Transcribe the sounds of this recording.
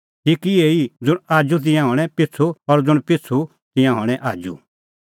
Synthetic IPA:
tikieːid͡zʊɽ̃aːd͡ʒut̪̬ɪ̃jãɦɔ̃ːɽ̃ɛ̃pɪt͡sʰuɔɾd͡zʊɽ̃pɪt͡sʰu | t̪ɪ̃jãɦɔ̃ːɽ̃ɛ̃ʔaːd͡ʒṵ

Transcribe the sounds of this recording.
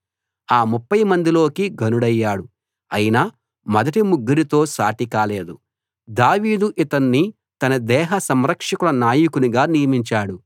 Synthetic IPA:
aːmupːɐjmɐnd̪ilo̞ːkiɡʱɐnuɽɐjːaːɽu | ɐjina | mɐd̪ɐʈimuɡːiɾit̪o̞ːsaːʈikaːle̞ːd̪u | d̪aːʋiːd̪uʔit̪ɐnːi | t̪ɐnɐd̪ɛːɦɐsɐmɾɐkʂɐkulɐnaːjukuniɡaːnijɐmiɲt͡ʃaːɽu

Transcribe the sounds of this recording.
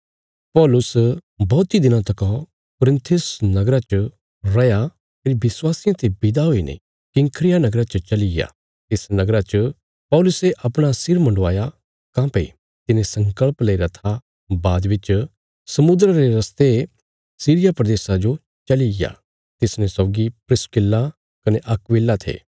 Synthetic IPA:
pɔːlʊsbɔːt̪id̪ɪnãt̪ɐkɔ̃ | kʊɾɪ̃nt̪ʰʊsnɐɡɾat͡ʃə | ɾɐja | pɪɾibɪswaːsɪjãt̪ʰebɪd̪aɦoinḛ | kɪ̃ŋkʰɾɪjanɐɡɾat͡ʃɐt͡ʃɐlɪɡja̰ | t̪ɪsnɐɡɾat͡ʃ | pɔːlʊseʔɐpɽ̃asɪɾmɐ̃ɳɖʋaːja | kãːpḛ | t̪ɪnẽsɐ̃ŋkəɭpleiɾat̪ʰa | baːd̪bɪt͡ʃ | sɐmʊd̪ɾɾeɾɐst̪e | siːɾɪjapɾɐd̪eːsad͡ʒo | t͡ʃɐliɡja̰ | t̪ɪsnẽsoːɡipɾɪskɪlːa | kɐneʔɐkʋɪːlːat̪ʰḛː

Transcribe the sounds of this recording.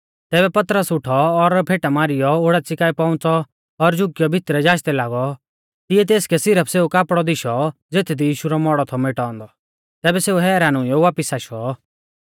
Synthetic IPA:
t̪ɛːbɛpɐt̪ɾəsʊʈʰɔːɾpʰeːʈamaːɾɪjɔoɽɛt͡sɪkaːipaʊ̃t͡sɔː | ɾd͡ʒʊkɪjɔbʱɪt̪ɾɛd͡ʒaːʃt̪ɛlaːɡɔ | t̪ɪjɛt̪̬eːskɛsɪɾəpʰseːukaːpɽɔd̪ɪʃɔd͡zeːt̪ʰd̪ʱijiːʃuɾɔmɔɽɔt̪ʰɔmeʈãːnd̪ɔ | t̪ɛːbɛseːuɦɛːɾaːnʊ̃jɔʋaːpisaːʃɔ

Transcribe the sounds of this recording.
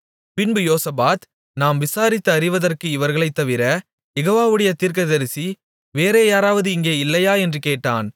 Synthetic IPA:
pɪnbɯjoːsɐbaːt̪ | naːmʋɪsaːɾɪt̪ːɐɐɾɪʋɐðɐrkɯɪʋɐɾɣɐɭɐɪt̪ːɐʋɪɾɐ | jɛɣoːʋaːʋɯɽɐjɐt̪iːɾk̬ɐðɐɾɯsi | ʋeːɾeːjaːɾaːʋɐðɯɪŋɡeːɪlːɐjaːɛndrɯkeːʈːa̰ːn

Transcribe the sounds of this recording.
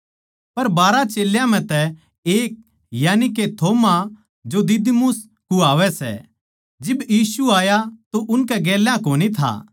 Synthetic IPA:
pɐɾbaːɾat͡ʃeːljãm̤ɛ̃t̪ɛ | eːk̚ | jaːnik̬et̪ʰoːma | d͡ʒod̪ɪd̪mʊs | kuaːʋɛsɛ̰ | d͡ʒɪbjiːsuaːjat̪oʔʊnkɛɡɛːljãkoːnit̪ʰa̰ː

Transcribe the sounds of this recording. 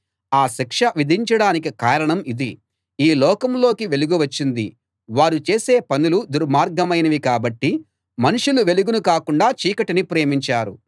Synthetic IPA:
aːʃikʂɐʋid̪ʱiɲt͡ʃɐɽaːnikikaːɾɐɳɐmid̪i | iːlɔːkɐmlo̞ːkiʋe̞luɡuʋɐt͡ʃːind̪ḭ | ʋaːɾut͡ʃe̞ːseːpɐnulud̪uɾmaːɾɡɐmɐjnɐʋikaːbɐʈːi | mɐnuʂuluʋe̞luɡunukaːkuɳɖaːt͡ʃiːkɐʈinipɾe̞ːmiɲt͡ʃaːɾu

